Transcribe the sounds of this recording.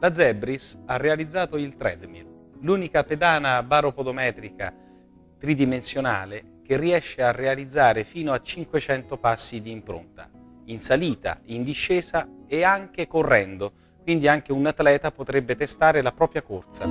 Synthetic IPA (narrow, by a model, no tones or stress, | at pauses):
lad̪zɛbɾisarːealid̪zːaːt̪oilt̪ɾɛ̰d̪mḭl | luːnikaped̪aːnabaːɾopod̪omɛːt̪ɾika̰ | t̪ɾid̪imensjona̰ːle | k̟erːiɛʃːearːealid̪zːaːɾefiːnoat͡ʃːiŋkwet͡ʃɛnt̪opasːid̪iːmpɾo̰nt̪a̰ | insaliːt̪a̰ind̪iʃːɛːzaeaŋk̟ekorːɛnd̪o | kwind̪iaŋk̟eunat̪ːlɛːt̪apot̪ɾɛbːet̪est̪aːɾelapɾɔːpɾjakort̪sa̰